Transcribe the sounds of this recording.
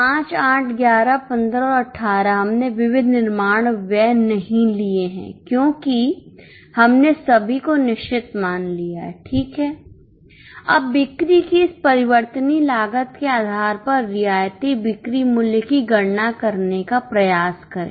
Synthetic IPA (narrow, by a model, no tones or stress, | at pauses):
pãːt͡ʃaːʈʰɡjaːɾapɐ̃nd̪ɾɔɐʈʰːaːɾaɦɐmneʋɪʋɪd̪ʱnɪɾmaːɽ̃ʋɛːnɐɦĩlieɦɛ̰̃ːkjõːki | hɐmnesɐbʱikonɪʃt͡ʃɪt̪maːnlijaɦʈʰiːkɦɛː | ɐ̰bːɪkɾikiɪspɐɾɪʋəɾt̪ənilaːɡət̪keaːd̪ʱaːɾpɐɾːɪjaːjt̪ibɪkɾimʊljkiɡɐɽnakɐɾnekapɾɐjaːskɐɾḛ̃